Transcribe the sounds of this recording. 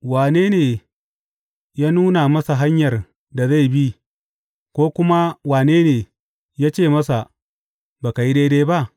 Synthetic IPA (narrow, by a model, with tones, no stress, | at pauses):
waː˨neː˦neː˨ | jaː˦nuː˦na˨mɐ˦sa˨ɦa˦ɲjɐ˨r | da˨za˦˨jbi˦ | kʷoː˦kʷʊ˦ma˦waː˨neː˦neː˨ | jaː˦t͡ʃeː˦˨mɐ˦sa˨ | baː˨ka˨ji˦deː˦deː˦ba˦ʔ